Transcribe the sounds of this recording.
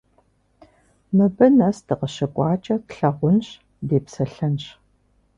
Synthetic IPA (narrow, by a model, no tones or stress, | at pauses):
mɨbɐnɐsdɨqəɕɐkʷʼɑːt͡ʃʼɐtɬɐʁʷʊnɕ | deːpsɐɬɐnɕ